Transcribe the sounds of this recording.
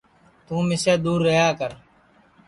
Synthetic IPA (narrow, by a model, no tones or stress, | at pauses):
t̪ũːmɪseːd̪uːɾːəjaːkəɾ